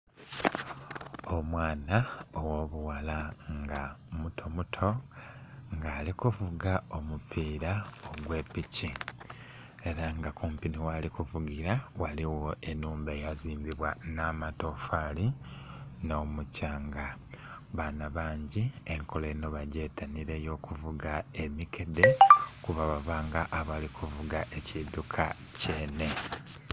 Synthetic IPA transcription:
omwaːnaowo̞ːβuwalaŋɡamutʰo̞mutʰo̞ | ŋɡaːlikuvuɡao̞mupʰiːɾaoɡwe̞ːpici | e̞ɾaŋɡakʰuːmpiniwalikuvuɡiɾawaliwo̞e̞nuːmbeːjaziːmbiβwanamato̞fali | no̞ːmucaːŋɡa | βanaβaːɲɟie̞ŋkʰo̞leno̞βaɟe̞ːtʰaniɾe̞jo̞ːkuvuɡae̞mike̞de̞kuβaβaβaːŋɡaʔːβalikuvuɡaʔe̞cidukʰa̰ | ce̞ːne̞

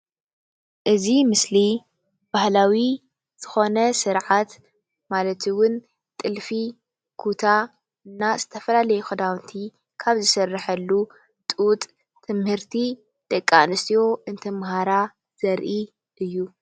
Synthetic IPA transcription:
ʔɨzimɨsli | b̥ahlawi | z̥ɨxo̞nɐsɨɾʕat̪ | malɐt̪ʰɨwʊn | t̪ʼɨlfi | kʰut̪ʰa | ɨnːazɨt̪ʰɐfɐlalɐjuxɐd̪awnt̪ʰi | kʰaβzɨsɐrːɨħɐlːu | t̪ʼːt̪ʼ | t̪ʰɨmhɨɾt̪ʰi | d̪̥ɐkʼːanɨst̪ʰijo̞ʔɨnt̪ʰɐmhaɾa | z̥ɐɾʔi | ʔɨjːu

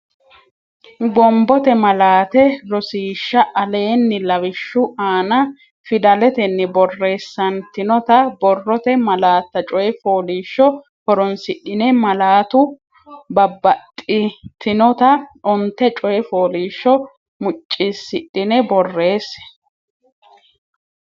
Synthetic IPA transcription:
ɡɔmbɔt̪ɛmɐlaːt̪ɛɾɔsiːʃːɐʔɐle̞ːnːɪlɐwɪʃːʊaːnɐ | fɪd̪ɐlɛt̪ɛnːɪbɔrːe̞ːsːɐnt̪ɪnɔt̪ɐbɔrːɔt̪ɛmɐlaːt̪ːɐt͡ʃʼɔjɛfoːliːʃːɔ | hɔɾɔnsɪɗɪnɛmɐlaːt̪ʊ | bɐbːɐt̪ʼːɪt̪ʰɪnɔt̪ɐʔɔnt̪ːɛt͡ʃʼɔjɛfoːliːʃːɔ | mʊt͡ʃʼːɪsːɪᶑːɪnɛbɔrːe̞ːs

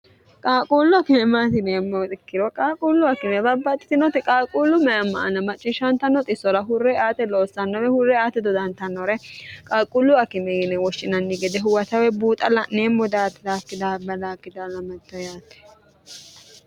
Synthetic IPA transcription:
kʼaːkʼulːʊkɪɛmat̪ɪneːmːɔt̪ʼɪkːɪɾɔkʼaːkʼulːʊɐkɪmɛbɐbːɐt̪ːɪ̥t̪ɪnɔt̪ɪkʼaːkʼulːʊmɐjɐmːɐ̰ʔɐnɐmɐt͡ʃʼːɪʃɐnt̪ɐnːɔt̪ʼɪsːɔɾɐɦʊrːɛaːt̪ɛloːsːɐnːɔɾɛhʊrːɛaːt̪ɛd̪ɔd̪ɐnt̪ɐnːɔɾɛkʼaːkʼulːʊɐkɪmɛɡɪnɛwɔʃɪnɐnːɪɡɛd̪ɛɦʊwɐt̪ɐwɛbuːt̪ʼɐlɐneːmːɔd̪aːt̪ɪlaːkːɪd̪abɐlaːkːɪd̪alɐmɐt̪ːɔjaːt̪ːɛ̥

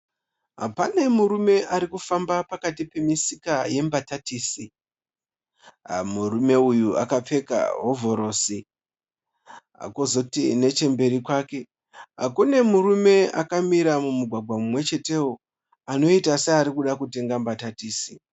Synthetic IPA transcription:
ɦa̰pane̞muɾume̞ʔaɾikufambapakatipe̞misikaje̞mbatatiːsi | murume̞ujua̰kap͡fe̞ka̰ɦo̞vʱo̞ɾo̞ːsi | a̰kozotine̞t͡ʃe̞mbe̞ɾikwaːke̞ | ɦa̰kune̞muɾume̞akamiɾamumuɡʱwaɡʱwamumwe̞t͡ʃe̞te̞wo | ano̞itaseaɾikuɗakute̞ŋɡambatatiːsi

